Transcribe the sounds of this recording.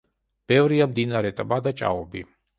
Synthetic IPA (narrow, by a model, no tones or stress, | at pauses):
b̥ɛvɾiamd̪inaɾɛt̪ʼabad̪at͡ʃʼa̰ɔbi